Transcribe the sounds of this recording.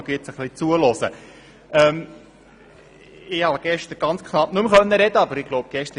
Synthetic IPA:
ɡɪt͡səχlit͡suəlɔsə | ɛːm | ɪhɑɡ̥ɛʃtəɾɡ̥ɑnt͡skʰnɑp̚nɵmχœnːəɾɛd̥̪əɑbəɾɪɡ̥loʊb̚ɡ̥ɛʃt̪ə

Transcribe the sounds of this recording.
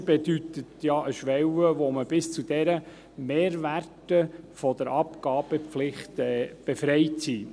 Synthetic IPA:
b̥ɛd̥̪yt̪ət̪jɑʔəʃʋɛwəʋoməb̥ɪst͡sud̥̪ɛɾə | meːɾʋærtəfɔd̪əɾɑpkɑːb̥əflɪχt̪ɛb̥efɾɛɪtsiː

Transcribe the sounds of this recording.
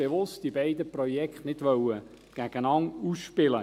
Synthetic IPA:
b̥eʋʊstd̥ibɛɪdəprɔjɛkχtnɪdʋœwə | ɡ̥æɡ̥ənɑŋuːsʃpɪlə

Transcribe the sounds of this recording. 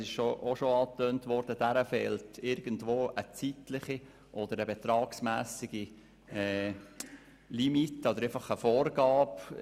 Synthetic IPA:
sɪʃʃoʔoʃoɑːtøːntʋɔɾd̥əd̥æɾəfɛːltɪɾɡ̥əndʋoːʔət͡sitlɪχi | ʔɔd̪əɾəbɛt̪ɾɑːksmæːsiɡ̥i | ɛ | limitɔd̪əɾefɑχəfoːrɡɑːp

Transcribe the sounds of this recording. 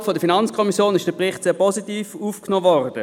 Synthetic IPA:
fɔdəfinɑnt͡skʰɔmisjoːnɪʃd̥əpʁɪχtseːpʰɔsitiːfuːfknoːvɔʁd̥ə

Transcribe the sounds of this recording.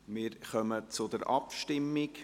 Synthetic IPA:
mɪːɾχœmət͡sʊd̪əɾʔɑpʃtɪmːɪk

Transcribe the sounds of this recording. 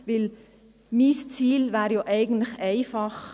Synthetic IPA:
ʋɪl | mist͡siːlʋæːɾjoːʔæɪɡən̩t̪lɪçæɪfɑχ

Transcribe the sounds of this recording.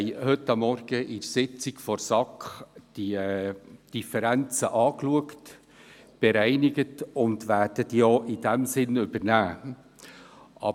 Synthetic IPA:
hɵtːɑmːɔrɡ̥əʔɪɾsɪt͡sɪkfɔɾsɑkχd̥i | d̥ifəɾænt͡səʔɑːkluəkt | b̥ɛɾæɪnɪɡətʊndʋæːd̥ətjoːʔɪd̥æmsɪnʏb̥əɾnæː | ʔɑ̰

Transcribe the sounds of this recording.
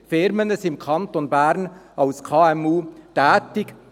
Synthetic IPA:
fɪɾmənəsɪmkʰɑnt̪onbæːɾnɑʊskʰɑːɛmuːt̪æːtɪk

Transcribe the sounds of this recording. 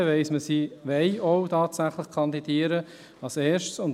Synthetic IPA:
əʋɛɪsməsiʋɛɪɔʊtʰɑːtsæχləχkʰɑnd̪id̥iːəɾə | ɑseːʃtsʊnt

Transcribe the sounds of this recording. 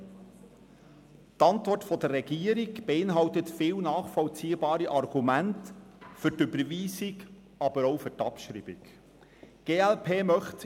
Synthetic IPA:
tɑntvɔrtfɔdərːɛɡiːəɾiɡb̥eɪnɦɑltətfɪːwnɑːχfɔlt͡siːəbɑːɾiʔɑrɡumæntfʏɾtʏbəɾviːsɪk | ɑbəɾoʊfʏɾtɑpʃɾḭːbɪ̰k | ɡ̥eːɛlpʰeːmœχt

